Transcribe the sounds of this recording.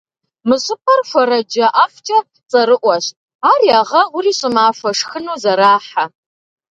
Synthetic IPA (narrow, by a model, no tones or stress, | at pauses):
mɨɕʼɪpʰʼɐrħʷɔɾɐd͡ʒɐʔaːft͡ʃʼɐ | t͡sʼɐɾɨʔʷɔɕtʼ | aːrjaːʁɐʁʷʊriːɕʼɪmaːʃʷɐʂxɨnuːzɐɾaːħa